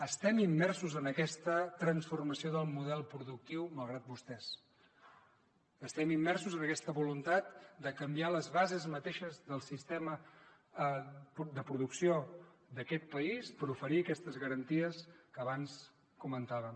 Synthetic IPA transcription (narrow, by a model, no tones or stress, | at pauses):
əst̪ɛmimːɛrsuzənəkɛst̪ət̪ɾənsfurməsioðəlˠmuðɛlˠpɾuðuk̚t̪iwməlˠɣ̞ɾat̪̚bust̪ɛs | əst̪ɛmimːɛrsuzənəkɛst̪əβulunt̪at̪̚d̪əkəmbialəzβazezmət̪eʃəzðəlˠsist̪ɛmə | d̪əpɾuðuksiod̪əkɛt̪̚pəispəɾufəɾiəkɛst̪əzɣəɾənt̪iəskəːβans | kumənt̪aβəm